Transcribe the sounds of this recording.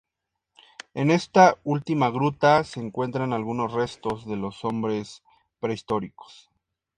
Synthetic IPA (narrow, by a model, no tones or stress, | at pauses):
e̞ne̞st̪ault̪imaɣɾut̪ase̞ːŋkwe̞nt̪ɾanalɣuno̞sre̞st̪o̞zðe̞lo̞so̞mbɾe̞s | pɾe̞ist̪o̞ɾiko̥s